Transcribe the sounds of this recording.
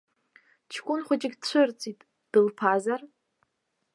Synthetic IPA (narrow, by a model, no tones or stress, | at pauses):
t͡ʃʰkʷʼʊnχʷad͡ʒʼɪɡʲt͡ɕʷʰɨrt͡sʰʼitʼ | d̥ɨlpʰazar